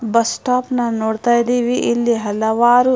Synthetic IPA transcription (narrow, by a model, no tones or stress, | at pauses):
bɐsʈaːpnɐnoːɽt̪ajd̪iʋiʔːlːiɦɐlɐʋaːɾu